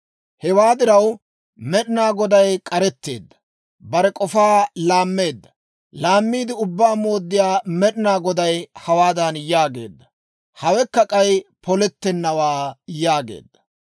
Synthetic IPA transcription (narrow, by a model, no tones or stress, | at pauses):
hɛwaːd̪ɪɾɐw | mɛɗɪnaːɡɔd̪ɐjkʼɐɾɛt̪ːe̞̰ːd̪ːɐ̥ | bɐɾɛkʼɔfaːlaːmːe̞ːd̪ːɐ | laːmːiːd̪ɪʊbːaːmo̞ːd̪ːɪjaːmɛɗɪnaːɡɔd̪ɐjhɐwaːd̪ɐnjaːɡe̞̰ːd̪ːɐ̥ | hɐwɛkːɐkʼɐjpɔlɛt̪ːɛnːɐwaːjaːɡḛːd̪ːɐ̥